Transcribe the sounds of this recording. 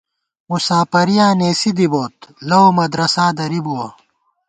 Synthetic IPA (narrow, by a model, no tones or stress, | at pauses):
musaːpɐɾijaːneːsid̪iboːt̪lɐwmɐd̪ɾɐsaːd̪ɐɾibuwɐ